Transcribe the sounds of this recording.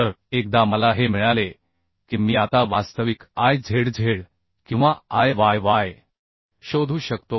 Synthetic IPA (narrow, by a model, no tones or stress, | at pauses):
t̪əɾek̚d̪aməlaɦem̤iɭale | kiːmiːat̪aʋast̪əʋikajd͡zʱeɽd͡zʱeɽ | kĩw̃ʋaajʋajʋaj | ɕod̪ʱuːɕəkt̪o